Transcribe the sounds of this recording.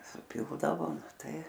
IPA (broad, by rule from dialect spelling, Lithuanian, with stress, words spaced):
sʊˈpʲɪlˠdɐʋoː ˈtɐɪ